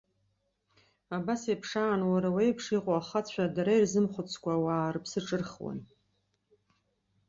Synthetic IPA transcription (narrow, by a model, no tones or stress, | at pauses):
abasejpʰʂaːnwaɾawejpʰʂiqʷʼoaχat͡sʷʰadaɾairzɨmχʷʊt͡sʰkʷawaːrpʰsɨʈ͡ʂʼɨrχwa̰n